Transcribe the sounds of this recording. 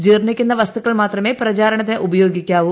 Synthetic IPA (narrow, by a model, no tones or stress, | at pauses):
d͡ʑiːrnikʲːunːɐʋɐst̪ʰukːɐɭmaːt̪rɐme̞ːprɐt͡ɕaːɾɐɳɐt̪̬ːineʔubɐjo̞ːɡikʲːaːʋu